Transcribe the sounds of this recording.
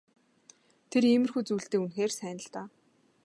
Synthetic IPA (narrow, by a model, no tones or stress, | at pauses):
t̪ʰeriːmɘ̆rxujt͡suːɬt̪eːunxeːrsæːnə̆ɮt̪aː